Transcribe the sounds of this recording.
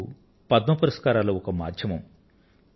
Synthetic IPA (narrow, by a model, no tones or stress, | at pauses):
u | pɐd̪mɐpɐɾɐskaːɾaːlɐɔkɐma̰ːd̪ʱjɐmɐm